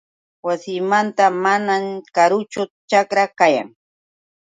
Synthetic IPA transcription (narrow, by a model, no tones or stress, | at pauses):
wasɪːmant̪amanamkaɾʊt͡ʃʊt͡ʃakɾakaja̰ŋ